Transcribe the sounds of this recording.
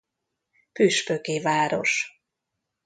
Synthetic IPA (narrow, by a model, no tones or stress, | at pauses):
pyʃpøkeːvaːɾo̞ʃ